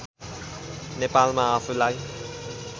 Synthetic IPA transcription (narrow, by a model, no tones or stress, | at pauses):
nepalmaafulaj